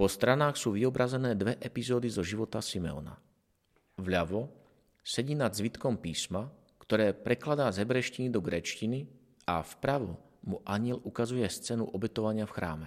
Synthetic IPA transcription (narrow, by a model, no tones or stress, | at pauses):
pɔst̪ɾanaːxsuːʋiɔbɾazɛnɛːd̪ʋɛʔɛpizɔːd̪izɔʒiʋɔt̪asimɛ̰ɔ̰na̰ | vʎaʋɔ | sɛɟiːnad̪zʋit̪kɔmpiːsma | kt̪ɔɾɛːpɾɛklad̪aːzɛbɾɛʃcinid̪ɔɡɾɛːt͡ʃcini | afpɾaʋɔ̰ | muʔaɲɪɛlukazujɛst͡sɛnṵʔɔbɛt̪ɔʋaɲɪafxɾa̰ːmɛ